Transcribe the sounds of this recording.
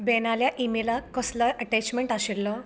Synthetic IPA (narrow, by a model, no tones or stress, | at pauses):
beːnaːljaʔimilɐkɔslɐɾɐʈeːt͡ʃmeɳʈaʃilːoː